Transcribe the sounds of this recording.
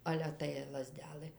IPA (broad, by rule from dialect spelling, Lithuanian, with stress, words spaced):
ˈɑːlʲɛ tɐɪ lˠɐˈzʲdʲæːlˠɘ